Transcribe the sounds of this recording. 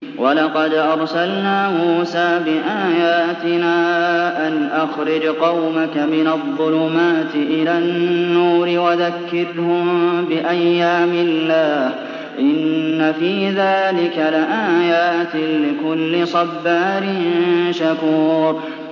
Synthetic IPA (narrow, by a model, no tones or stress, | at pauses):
wʔɑlɑqɑd̪ʔɑɾˤsalnaːmuːsaːbɪʔaːjaːt̪ɪnaːʔanʔaxɾɪd͡ʒqɑwmakamɪnaðˤːʊlʊmaːt̪ɪʔɪlaːnnːuːɾɪwaðakːɪɾhʊmbɪʔajːaːmɪlːaːh | ʔɪnːafiːðaːlɪkalɪʔaːjaːt̪ɪlɪkʊlːɪsˤɑbːaːɾɪnʃakuːɾ